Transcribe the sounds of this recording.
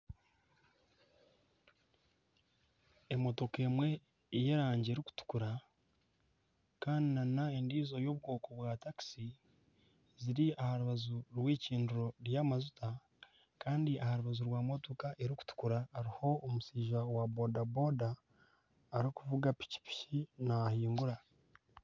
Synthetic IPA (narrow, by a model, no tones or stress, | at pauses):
emo̞to̞ke̞ːmwe̞ | je̞ɾaːɲɟeːɾiku̥tu̥kuɾa | kaːndinanae̞ndiːzo̞jo̞βɡo̞ːko̞βwaːtaki̥si | ziɾiahaɾuβazuɾwiːciːnduɾo̞ɾjaːmazutʰa | kaːndiʔahaɾuβazuɾwaːmo̞to̞kaʔe̞ɾiku̥tu̥kuɾaːɾiho̞ːmusiːʒawabo̞dabo̞daː | ɾikuvuɡapi̥ci̥pi̥cinahiːŋɡuɾa